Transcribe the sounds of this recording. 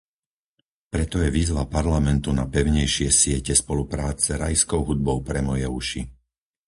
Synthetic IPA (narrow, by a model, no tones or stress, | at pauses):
pɾɛt̪ɔjɛʋiːzʋapaɾlamɛnt̪unapɛʊɲɛjʃɪɛsɪɛcɛspɔlupɾaːt͡sɛɾa̰jskɔʊɦud̪̚bɔʊpɾɛmɔjɛuʃi